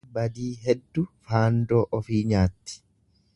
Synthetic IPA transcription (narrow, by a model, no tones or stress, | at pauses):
bɐd̪iːɦɛd̪ːʊfaːnd̪oːʔɔfiːɲaːt̪ːi̥